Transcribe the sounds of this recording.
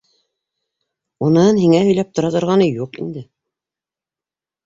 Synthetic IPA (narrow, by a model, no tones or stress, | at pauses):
unɤnhiŋæɦɵ̆jlæp̚t̪ŏɾɑt̪ŏɾʁɑnɤjuqḭnd̪ɘ